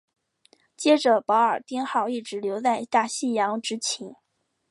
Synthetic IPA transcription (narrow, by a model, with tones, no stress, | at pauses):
t͡ɕjɛ˥ʈ͡ʂɤ˨˩pɑ˧˥ʊə˞˨˩t̪jɛ˥nxɑ˥˧ʊi˥˩ʈ͡ʂɻ̩˧˥ljo˧˥ʊt͡sa˥˧ɪt̪a˥˩ɕi˥˩jɑ˧˥ŋʈ͡ʂɻ̩˧˥t͡ɕʰi˧˥n